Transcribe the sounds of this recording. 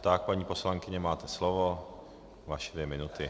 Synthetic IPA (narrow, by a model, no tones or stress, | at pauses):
t̪ak̚paɲiːposlaŋkɪɲɛmaːt̪ɛslɔʋo | vaʃɛd̪ʋjɛmɪnut̪ɪ